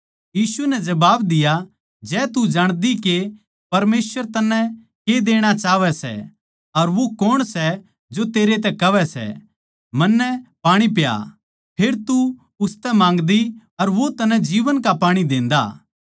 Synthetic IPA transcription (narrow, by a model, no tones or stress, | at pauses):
jiːsunɛd͡ʒɐbaːbd̪ɪja | d͡ʒɛːt̪ud͡ʒaːɽ̃d̪ike | pɐɾmeːsʋəɾt̪ɐnːɛ̃ | ked̪eːɽ̃at͡ʃaːʋɛsɛ̰ | ɐɾʋokoːɽ̃sɛ | d͡ʒot̪eːɾet̪ɛkɐʋɛsɛ̰ | mɐnːɛpaːɽ̃ipja̰ | pʰeːɾt̪u | ʊst̪ɛmãːŋɡd̪i | ɐɾʋot̪ɐnɛ̃d͡ʒiːʋənkapaːɽ̃id̪ẽːnd̪a̰ː